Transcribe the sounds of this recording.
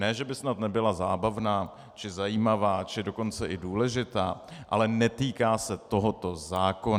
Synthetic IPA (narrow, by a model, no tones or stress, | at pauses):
nɛːʒɛbɪsnat̪nɛbɪlazaːbavnaː | t͡ʃɪzajiːmavaːt͡ʃɪdo̞ko̞nt͡sɛʔɪduːlɛʒɪt̪aːʔa̰lɛnɛt̪iːkaːsɛt̪o̞ɦot̪o̞zaːkon